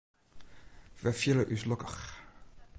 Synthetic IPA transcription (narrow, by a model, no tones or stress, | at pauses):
vɛfiləʔyslɔkəχ